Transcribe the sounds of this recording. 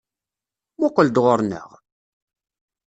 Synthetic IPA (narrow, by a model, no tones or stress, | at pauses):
mʊqːəld̪ʁoɾnə̰ʁ